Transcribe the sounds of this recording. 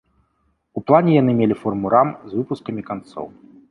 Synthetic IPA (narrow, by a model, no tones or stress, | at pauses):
uplˠanʲɛjan̪ɨmʲelʲifɔrmuɾamzvɨpuskɐmʲikant̪sɔ̰w